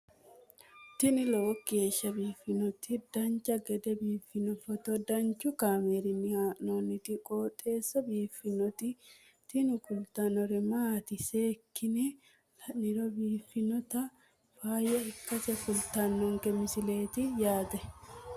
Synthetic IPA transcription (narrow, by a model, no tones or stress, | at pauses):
t̪ɪnɪlowkːeːʃːɐbiːfɪnɔt̪ɪd̪ɐnt͡ʃɐɡɛd̪ɛbiːfːɪnɔfɔt̪ɔd̪ɐnt͡ʃʊkaːmeːɾɪnːɪaːnoːnːɪt̪ɪkʼoːt̪ʼe̞ːsːɐbiːfːɪnɔt̪ɪ | t̪ɪnɪkʊlt̪anɔɾɪmat̪ɪseːkːɪnɛ | lɐnɪɾɔbiːfɪnɔt̪ɐ | faːjɐɪkːɐsɛfʊlt̪anːɔŋkɛmɪsɪle̞ːt̪ɪjaːd̪ɛ